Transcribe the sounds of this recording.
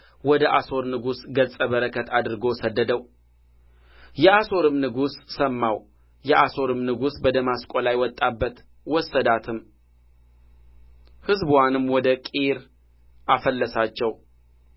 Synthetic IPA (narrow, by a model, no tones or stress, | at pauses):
wɔd̪əʔaso̞ɾnɨɡusɡəsʼəβəɾəkʰət̪ʰad̪ɨɾɨɡo̞səd̪ːəd̪əw | jɛaso̞ɾɨmnɨɡusːəmːaw | jɛʔaso̞ɾɨmnɨɡusbəd̪əmaskʼolajwɔt̪ʼːabːət̪ | wɔsːəd̪at̪ʰɨm | hɨzbwanɨmːwɔd̪əkʼiɾ | ʔafəlːəsat͡ʃːɛw